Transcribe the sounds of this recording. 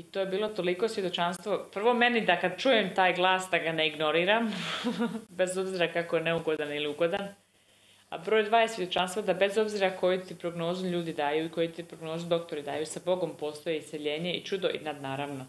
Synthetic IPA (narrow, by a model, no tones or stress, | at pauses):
it̪o̞ːjebiːlˠo̞t̪o̞liko̞sʋjed̪o̞t͡ʃanst̪ʋo̞pr̩ʋo̞me̞nid̪akad̪̚t͡ʃuːjemt̪aːjɡlˠaːsd̪aɡaneiɡno̞ɾiːɾam | be̞zo̞bziɾakakojeneuɡo̞d̪aniliuɡo̞d̪an | a̰bɾoːjd̪ʋaːjesʋje̞d̪o̞t͡ʃanst̪ʋad̪abe̞zo̞bziɾako̞jut̪ipɾo̞ɡno̞ːzuʎuːd̪id̪aːjuiko̞jit̪ipɾo̞ɡno̞ːzud̪o̞k̚t̪o̞ɾid̪aːjusabo̞ɡo̞mpo̞ːst̪o̞jeisʲeʎe̞ːɲe̞ḭt͡ʃud̪o̞ʔḭnad̪naːɾaʋno̞